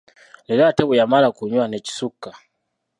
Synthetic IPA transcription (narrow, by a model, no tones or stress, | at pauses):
lilatɛbujamaɾakuɲwanɛt͡ʃi̥sukːa